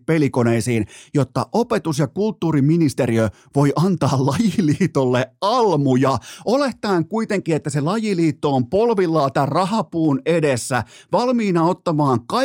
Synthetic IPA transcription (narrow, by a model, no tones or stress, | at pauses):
pelikoneisiːnjot̪ːɑ̰ʔopet̪usjɑkult̪ːuːriminist̪eɾiø | ʋojʔɑnt̪ɑːllɑjiliːt̪olːeʔɑlmujɑoleht̪ɑiŋkuit̪eŋkiet̪ːæselɑjiliːt̪ːoːmpolʋilːɑːt̪ærrɑɦɑpuːnedesːæʋɑlmiːnɑot̪ːɑmɑːŋkɑ